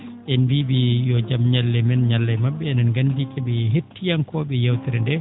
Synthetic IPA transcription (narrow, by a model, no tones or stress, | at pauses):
ʔɛnbibijɔd͡ʒamɲalːɛmɛnɲalːɛjmaɓːɛɛnanɡandikɛɓɛɦetːijankɔːɓɛjawtɛɾɛndɛ